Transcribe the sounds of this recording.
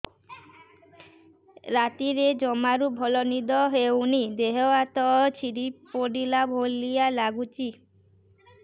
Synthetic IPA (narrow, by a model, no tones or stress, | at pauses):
ɾat̪iɾed͡ʒɔmaɾubʱɔlɔnid̪ɔɦewnid̪eɦɔat̪ɔt͡ʃʰiɾipoɽilabʱolialaɡut͡ʃi